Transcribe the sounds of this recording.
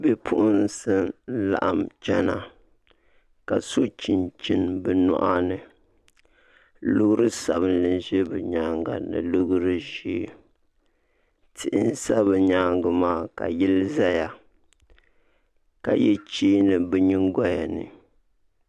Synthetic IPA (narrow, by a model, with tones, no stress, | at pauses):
bɛ˦pʰʊ˦ʔʊ˦n˦sɨ˦n̩˦la̰˨ʔa˦mt͡ʃɛ˦na˨ | ka˨so˦t͡ʃi˨nt͡ʃi˦nbɨ˨nɔ̰˦ʔa˦nɨ˨ | lʊ˦ɡɾɨ˦sa˨bɨ˦nlɨ˨n˦ʒɛ˦bɨ˨ɲaː˨˦ŋɡa̰˨nɨ̰˨lʊ˦ɡɾɨ˦ʒi˦ | tʰɪ˨ʔɪ˦n˦sa˦bɨ˨ɲa˦ŋɡɨ˨maː˦˨ka̰˨ji˦lɨ˦za˦ja˨ | ka˨jɛ˦t͡ʃiː˦nɨ˨bɛ˨ɲi˦ŋɡa˦ja˨nɨ̰˨